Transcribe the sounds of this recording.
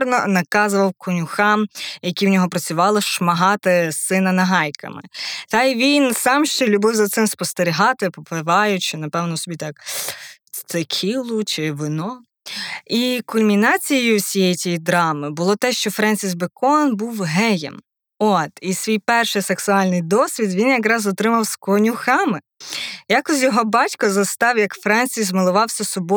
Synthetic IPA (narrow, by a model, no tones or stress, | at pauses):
ɾnɔnɐkɑzʊʋɐwkʰʊnʲʊxɑmjɐkʲiwnʲɔɦɔpɾɐt͡sʲʊʋɑlˠɪʃmɐɦɑt̪ɪsɪnɐnɐɦɑjkʰɐ̰mɪ̰t̪ɑjʋʲinsɑmʃt͡ʃɛlʲʊbɪwzɐt̪sɪmspɔst̪eɾʲiɦɑt̪ɪpɔpɪʋɑjʊt͡ʃɪnɐpɛwnɔsɔbʲit̪ɑk | st̪ɪkʲʰilˠʊt͡ʃɪʋɪnɔ | ikʊmmʲinɑt͡sʲijjʊwsʲijɛjt͡sʲijid̪ɾɑmɪbʊlˠɔt̪ɛʃt͡ʃɔfɾɛnʲsʲizbekɔnbuwɦɛjɛ̰m | ɔt̪isʲʋʲijpɛrʃɪjseksʊɑlʲnɪjd̪ɔsʲʋʲid̪ʋʲinjɐkɾɑzɔt̪ɾɪmɐwskɔnʲʊxɑmɪ | jɑkɔs̬ʲjɔɦɔbɑtʲkɔzɐst̪ɑwjɐkfɾɛnʲsʲizmɪlˠʊʋɑwsʲɐsɔbɔ